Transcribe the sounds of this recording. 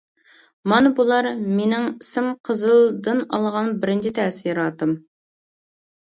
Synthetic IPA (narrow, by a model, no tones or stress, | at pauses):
mɑnbulˠɑɾmenɪŋisɪmqʰəzɨlˠd̪ɨnɑ̰lˠʁɑnbɪɾɪnt͡ʃʰɪt̪ʰɛsijɾɑt̪ɨm